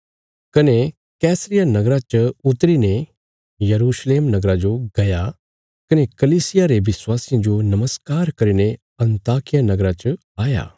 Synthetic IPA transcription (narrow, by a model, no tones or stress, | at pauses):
kɐne | kɛːsɾɪjanɐɡɾat͡ʃɐʊt̪ɾine | jɐɾuːʃleːmnɐɡɾad͡ʒoɡɐja | kɐnekɐliːsɪjaɾeʋɪswaːsɪjãd͡ʒonɐməskaːɾkɐɾine | ɐ̃nt̪aːkɪjanɐɡɾat͡ʃɐ | aːja̰ː